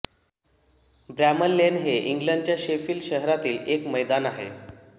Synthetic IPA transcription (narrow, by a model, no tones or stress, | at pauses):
bɾæməlːenɦeʔiŋɡləɳɖt͡ɕjaɕefiːlɕəɦɾat̪iːlekməjd̪anaɦḛ